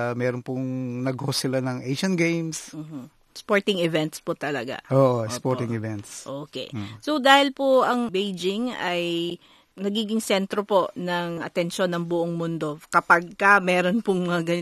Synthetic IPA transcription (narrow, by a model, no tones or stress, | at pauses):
mɛːɾonpʊŋnɐɡhosɪlanɐŋʔejʃɐnɡejmsm̩ːh̩ | spoɹt̪ɪŋɪvɛnt̪spot̪ɐlɐɡa̰ʔoːʔospoɾt̪ɪŋɪvɛnt̪sʔoːkɛ̰sod̪aːhɪlpoɐŋbejd͡ʒɪŋɐj | nɐɡiːɡɪŋsɛnt̪ɾopo̞ʔnɐŋɐ̰t̪ɛnʃo̞nɐŋbʊʔoŋmʊnd̪o̞kɐpɐɡ̚kɐmɛːɾonpʊŋɐɡɐ